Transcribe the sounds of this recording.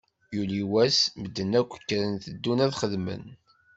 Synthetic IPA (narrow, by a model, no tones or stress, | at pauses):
juliwæsməd̪ːənækʷːə̥kːɾənθəd̪ːunæðχəðmə̰n